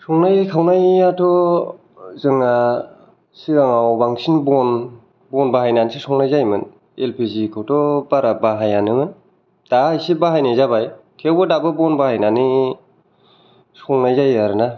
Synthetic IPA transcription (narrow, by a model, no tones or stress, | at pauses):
sɔŋnajkʰawnajːatɔ | zɯŋa | siɡaŋawbaŋsinbɔn | bɔnbaɦajnansisɔŋnajzajmɯn | elpʰizikʰawtɔbaɾabaɦajanɯmɯn | d̥aajsibaɦajnajzabajtʰewbɯdabɯbɔnbahajnani | sɔŋnajzajaɾɯna